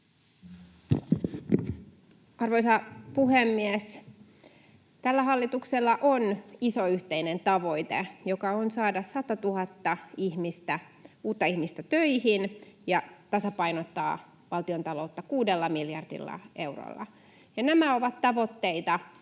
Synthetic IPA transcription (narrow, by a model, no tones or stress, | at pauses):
ɑrʋo̞jsɑpuɦemːies | t̪ælːæɦɑlːit̪ukselːɑʔonisoyht̪eine̞nt̪ɑʋo̞jt̪ejokɑonsɑːdɑsɑt̪ɑt̪uɦɑt̪ːɑihmist̪æ | uːt̪ːɑihmist̪æt̪øjhinjɑt̪ɑsɑpɑjnot̪ːɑ̰ː | ʋɑlt̪io̞nt̪ɑlo̞ut̪ːɑkuːde̞lːɑmiljɑrdḭlːɑ̰e̞wro̰lːɑ̰ | jɑnæmæo̞ʋɑt̪ːɑʋo̞t̪ːe̞jt̪ɑ